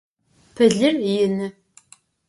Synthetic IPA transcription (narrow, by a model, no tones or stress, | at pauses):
pʰɨɮɨrjɪnɨ